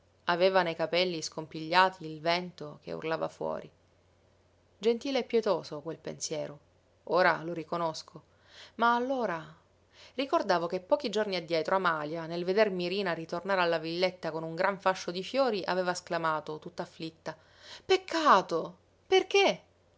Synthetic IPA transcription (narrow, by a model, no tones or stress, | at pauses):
aveːvanejkapɛlːiskompiʎːaːt̪ʰiːlvɛnt̪ok̟ḛṵrlava̰fwɔ̰ːɾi | d͡ʒent̪iːleɛpːjɛt̪oːsokwelpḛnsjɛːɾo | oːɾa̰loɾikonoskʰo | maːlːoːɾa | rikord̪aːvokepːɔːkid͡ʒorniad̪ːjɛːt̪ɾʔoamaːljanelved̪ermiɾiːnaɾit̪ornaːɾalːavilːet̪ːakonuŋɡɾaɱfaʃːod̪ifjoːɾiʔa̰veːvasklamaːt̪ot̪ut̪ːaːflit̪ːa | pekʰːaːt̪o | perk̟e